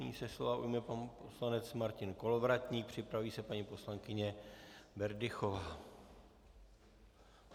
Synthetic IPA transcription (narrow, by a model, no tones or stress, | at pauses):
ɲḭːsɛslo̞vaʔujmɛpanposlanɛt͡smaɾcɪnko̞lovɾat̪ɲiːk̚pr̝̥ɪpɾaviːsɛpaɲipo̞slaŋkɪɲɛbɛɾdɪxo̞vaː